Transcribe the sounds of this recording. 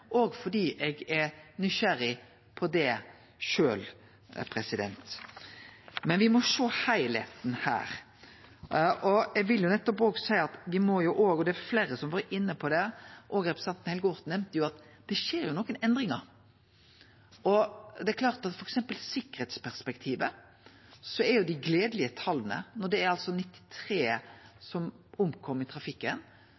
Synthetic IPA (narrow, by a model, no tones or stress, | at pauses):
ʔɔːɡfɔɖiːʔɛɡɛɾnʏʃæɾɪ | pʰɔd̪ɛ | ʃøːl | pʰɾɛsɪd̪ɛ̰nt̪ | mɛnʋɪmɔʂoːhæɪlḛːt̪n̩hæ̰ːɾ | ʔɔɛɡʋɪljʊnɛt̪ːɔpoːɡsæɪəɑt̪ʋɪmɔjʊʔoːɡɔd̪ɛːɾfleːɾəsɔmʋɑːɾɪnːəpʰɔd̪ɛʔoːɡɾɛpɾəsɑnt̪n̩hɛlɡɔʁt̪nɛmt̪əjʊɑt̪ | d̪̥ɛʃeːɾjʊnɔːkːənɛnd̪ɾɪŋɑɾ | ɔd̪ɛækʰlɑːʁt̪ɑt̪fɔɾɛksɛmpəlsɪkːəɾhɛːt̪spʰæʁspɛkt̪ʰiːʋə | sɔɛɾjʊd̪ɪɡleːd̪əlɪət̪ʰɑlːənə̰nɔd̪ɛæɾɑlsɔnɪt̪ːɪ̥t̪ʰɾeːsɔmʊmkʰɔmːɾɪt̪ʰɾɑfɪkːən